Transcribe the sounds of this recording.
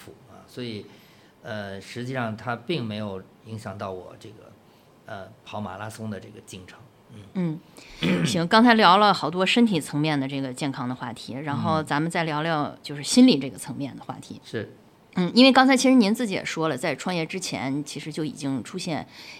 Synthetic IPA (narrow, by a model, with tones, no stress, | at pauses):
fu˨˩ɐ̰˧˩swɔ˧˥i˨˩ | ə˧ʂɻ̩˧˥t͡ɕi˥˧ʂɑ˥˩ŋt̪ʰa˥pi˥˩ŋme˧˥ɪjo˨˩ʊ | i˧˥ŋɕjɑ˨˩ŋt̪ɑ˥˩ʊwɔ̰˨˩ʈ͡ʂɤ˥˩ɡə̰˩ | ə˧pʰɑ˧˥ʊma̰˨˩la˥sʊ˥ŋd̪ə˨ʈ͡ʂɤ˥˩ɡə˩t͡ɕi˥˩ŋʈ͡ʂʰɤ˧˥˦ŋ | n̩˥˩n̩˥˩ | t͡ɕi˧˥˧kɑ˥ŋt͡sʰa˧˥ɪljɑ˧˥ʊlə˧xɑ˨˩ʊt̪wɔ˥ʂə˥nt̪ʰi˨˩t͡sʰɤ˧˥ŋmʲjɛ˥˩nd̪ə˩ʈ͡ʂɤ˥˩ɡə˩t͡ɕjɛ˥˩nkʰɑ˥ŋd̪ə˨xwa̰˥˩t̪ʰi˧˥ɻa˧˥nxo˥˩ʊt͡sa˧˥mə˨nt͡sa˥˩ɪljɑ˧˥ljɑ˥˧ʊt͡ɕjo˥˧ʊʂɻ̩˥˩ɕi˥nli˨˩ʈ͡ʂɤ˥˩ɡə˩t͡sʰɤ˧˥ŋmjɛ˥˩nd̪ə˩xwa̰˥˩t̪ʰi˧˥ʂɻ̩˥˩ | n̩˥˩i˥nwe˥˩ɪkɑ˥ŋt͡sʰa˧˥i˧˥ʂɻ̩˧˥ni˧˥nt͡sɹ̩˥˩i˧˥jɛ̰˨˩ʂwɔ˥lə˨t͡sa˥˧ɪʈ͡ʂʰwɑ˥˧ŋjɛ˥˩ʈ͡ʂɻ̩˥t͡ɕʰjɛ̰˧˥nt͡ɕʰi˧˥ʂɻ̩˧˥t͡ɕjo˥˩ʊḭ˨˩t͡ɕi˥ŋʈ͡ʂʰu˥ɕjɛ˥˩n